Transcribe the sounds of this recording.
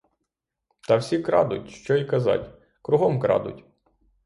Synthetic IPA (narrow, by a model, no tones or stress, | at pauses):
t̪ɐwsʲikɾɑ̰d̪ʊ̰tʲʃt͡ʃɔikɐzɑ̰tʲ | kɾʊɦɔmkɾɑ̰d̪ʊ̰tʲ